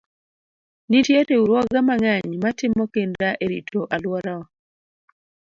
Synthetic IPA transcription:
nitjeteuɾwɔɡamaŋaɲmatɪmɔkendɾaʔeɾḭtʰoʔalwɔɾaɔ

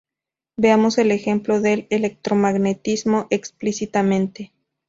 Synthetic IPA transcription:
beamo̞se̞le̞xe̞mplo̞ðe̞lele̞k̚t̪ɾo̞maɣne̞t̪izmo̞ʔeksplisit̪amẽnt̪e̞

